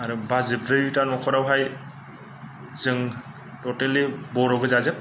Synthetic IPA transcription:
aɾubazɯbɾɯjutanɔkʰɔɾawɦaj | zɯŋ | tɔtelibɔɾɔɡɯzazɯk̚

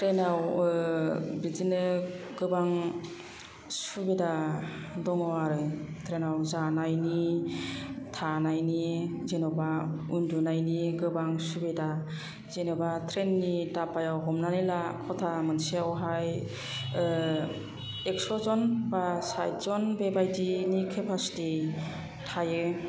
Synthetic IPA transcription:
tʰɾenaw | bizinɯɡ̥ɯbaŋ | subedadɔŋɔaɾɯtʰɾenawzanajni | tʰanajnizenɔbaundunajniɡɯbaŋsubeda | zenɔbatʰɾenːidapajawɦɔmnanɯlakʰɔtʰamɯnsiawɦaj | ekstɾɔzɔnbasajtzɔnbebajdinikʰepʰasi̥ti | tʰajɯ

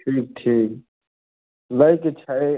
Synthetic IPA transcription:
ʈʰiːk̚ʈʰiːk | laiket͡ʃʰae

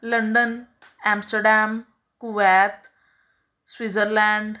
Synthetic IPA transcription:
ləɳɖən | æ̃msʈəɾɖæm | kuʋɛt̪ | sʋid͡zəɾlæɳɖ

